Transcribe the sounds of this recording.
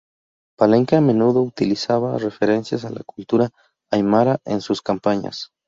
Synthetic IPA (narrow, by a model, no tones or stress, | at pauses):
paleŋkeame̞nuðo̞ut̪ilisaβare̞fe̞ɾe̞nsjas̬ala̰kult̪uɾaː | jmaɾaʔensuskampaɲa̰s